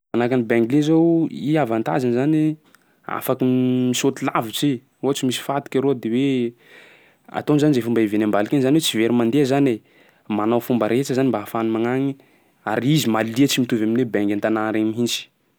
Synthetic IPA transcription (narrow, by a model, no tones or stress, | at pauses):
anakanibɛŋɡlezowiavant̪a̰zanzani | a̰fakəmisot̪ila̰vit͡ʃi | ot͡ʃimisi̥fat̪i̥kʲaɾod̪ewe | a̰t̪onzanizefumbaivenambalikʲenizaniwet͡siveɾimand̪ezane | manawfumbəɾet͡ʃəzanimbaːfanimaŋaŋi | aɾizimaliət͡ʃimit̪uvaminebɛŋɡant̪anaɾamiɦind͡ʒi̥